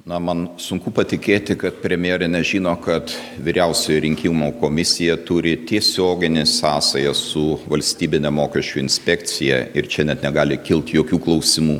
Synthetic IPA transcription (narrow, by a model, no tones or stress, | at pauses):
nɐmɐnsʊŋkʊpɐt̪ʲɪkʲeːt̪ʲɪkɐt̪̚pʲɾʲɛmʲɪjɛːɾʲɪnʲɛʒʲiːnoːkɐt̪ʋʲiːɾʲɛʊsʲɛjoɾʲɪŋʲkʲɪmokoːmʲɪsʲɪjɛt̪ʊɾʲɪt̪ʲiɛsʲoːɡʲɪnʲɪsɑːsɐjɐssʊʋɐlʲsʲt̪ʲiːbʲɪnʲɛmoːkʲɛʃʲt͡ʃʲuɪnʲsʲpʲɛkt͡ssʲɪjɛ̰ɪɾt͡ʃʲɛnʲɛt̪nʲɛɡɑːlʲɪkʲɪlˠt̪joːkʲuːklˠɐʊsʲɪmuː